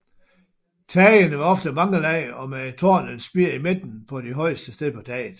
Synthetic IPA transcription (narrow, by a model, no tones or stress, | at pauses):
t͡sʰɛənəʋɑ̈ɒ̽fd̥əmɑ̈ŋəlɛɪɒ̽met͡sʰo̝ɐnənsb̥iɐ̰ime̝d̥n̩pʰɒ̽d̥eɦɒ̽ɪ̰əsd̥əsd̥eðˠpʰɒ̽d̥ɛ̰ːɪð̩ˠ